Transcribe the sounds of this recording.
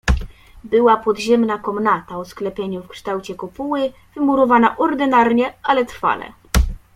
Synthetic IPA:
bɘwapɔd̪ʑɛmnakɔmnat̪aɔsklɛpʲjɛɲufkʂt̪awt͡ɕɛkɔpuwɘ | vɘmuɾɔvanaʔɔɾd̪ɘnaɾɲɛalɛt̪ɾfa̰lɛ̰

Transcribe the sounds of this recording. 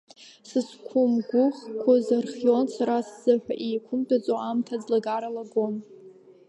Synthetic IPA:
sɨskʷʰʊmɡʷʊχkʷʰozɨrχjonsaɾasz̥ɨħʷᶣa̰ʔejkʷʰʊmtʼat͡sʼoamtʰad͡zlaɡaɾalaɡon

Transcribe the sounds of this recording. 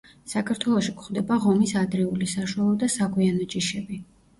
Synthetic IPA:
sakʰaɾt̪ʰwɛlˠɔʃikʰχd̪ɛbaʁɔmisad̪ɾɛulisaʃwalˠɔd̪asaɡwianɔd͡ʒiʃɛbi

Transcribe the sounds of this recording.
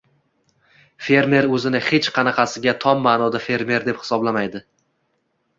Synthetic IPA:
fe̞ɾme̞ɾɵzɪnɪhe̞t͡ʃqʰɑnɑqʰɑsɪɡʲat̪ʰɒmːaːnɒd̪afe̞ɾme̞ɾd̪e̞phɪ̥sɒblamajd̪ɪ

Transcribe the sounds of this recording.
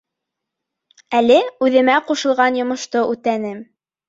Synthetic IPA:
ælɘʉðɘ̆mæquʃɤ̆lˠʁɑnjŏmŏʃt̪oʔʉt̪ænɘm

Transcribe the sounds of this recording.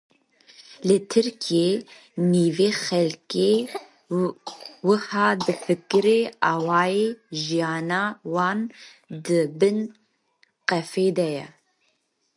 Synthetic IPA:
lɨt̪ʰɨɾkije | niːveːxɛlkeː | wɨhɑːd̪ɨfɨkɨɾeːɑːwɑːjeːʒijɑːnɑːwɑːn | d̪ɨbɨn | qɛfeːd̪ɛjɛ

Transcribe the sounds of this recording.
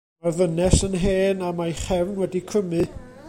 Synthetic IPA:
arðənɛsənɦeːnamajχɛvnwɛdikʰrəmɨ

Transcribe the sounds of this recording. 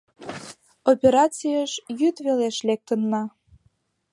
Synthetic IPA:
opʲeɾɑt͡sijəʃjyt̪βeleʃlek̚t̪ə̆nːɑ

